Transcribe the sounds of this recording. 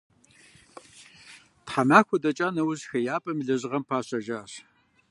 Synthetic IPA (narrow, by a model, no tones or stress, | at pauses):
tħamaːxʷɔdɐt͡ʃʼaːnɐwʊʑxɐjaːpʼɐmɮɐʑʁɐmpʰaːɕʼɐʒaːɕ